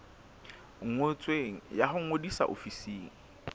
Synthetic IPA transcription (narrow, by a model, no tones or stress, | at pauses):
ŋ̩ŋot͡sʼweŋ̩jahʊŋ̩odisa̰ʔo̰fisiːŋ̩